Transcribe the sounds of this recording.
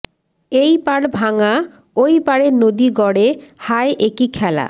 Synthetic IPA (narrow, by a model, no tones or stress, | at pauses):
ejpaɽbʱaŋa | ojpaɽeɾnod̪iɡɔɽehaeʔekikʰɛla̰